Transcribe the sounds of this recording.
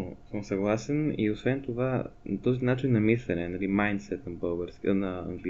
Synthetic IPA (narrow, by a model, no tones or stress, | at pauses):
səmsɐɡlˠasɛnḭosvɛnt̪ovat̪ɔzinat͡ʃinːɐmislʲɛnɛnɐlimajnt̪sɛt̪nɐbɤlˠɡəɾskʲənɐɐ̰ŋɡli